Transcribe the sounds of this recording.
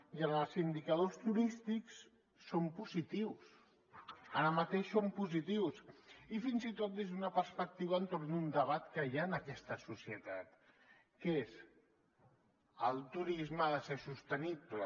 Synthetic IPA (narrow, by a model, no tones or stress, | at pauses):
jaəzind̪ikəð̞ost̪uɾist̪iks | sompuzit̪iws | aɾəmət̪eʃsompuzit̪iwsifinzit̪ot̪̚d̪ezðd̪unəpəɾspək̚t̪iβənt̪ornd̪und̪əβat̪kəjanəkɛst̪əsusiət̪at̪ | kez | əlˠt̪uɾizmaðəsesust̪əniplə